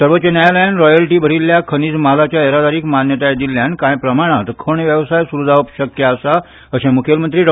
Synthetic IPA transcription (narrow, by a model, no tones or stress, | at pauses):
səɾʋət̪ːt͡ɕenjajaləjanɾɔjəlʈiːbʱəɾilːjakʰəñiːd͡zmalat͡ɕjaeɾad̪aɾiːkmanjət̪ajd͡ʑ̪iljankãjpɾəmaɽ̃at̪kʰoɳ̃ʋjəʋsajsuɾud͡z̪ʱaʋəpɕəkjəəsa | əɕẽmukʰjelmənt̪ɾiːɖ